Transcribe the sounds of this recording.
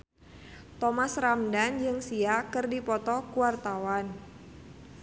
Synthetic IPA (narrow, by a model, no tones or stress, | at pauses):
t̪ɔmasramdand͡ʒɨŋsiakɨrdipɔt̪ɔkuwart̪awan